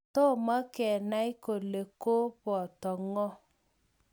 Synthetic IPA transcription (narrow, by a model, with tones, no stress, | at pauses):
tɔ˦˨ma˦kɛ˨na˦i˦ko˨le˨ko˦pɔ˨tɔ˨ŋɔ˦